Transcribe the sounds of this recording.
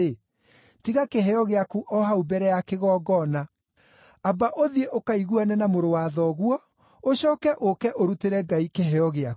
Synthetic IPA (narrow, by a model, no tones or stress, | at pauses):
e | tiɣakeɦɛɔɣeakuʔɔɦaubɛɾɛjakeɣɔːɡɔna | abaʔoðieʔokaiɣuanɛnamoɾowaðɔɣwɔ | oɕɔːkɛʔokɛʔoɾuteɾɛɡaikeɦɛɔɣeak